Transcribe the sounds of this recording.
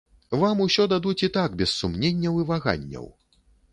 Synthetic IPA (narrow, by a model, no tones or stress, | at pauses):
vamusʲɔd̪ad̪ut͡sʲit̪aɡbʲɛsːumnʲenʲːɐwivaɣa̰nʲːɐ̰w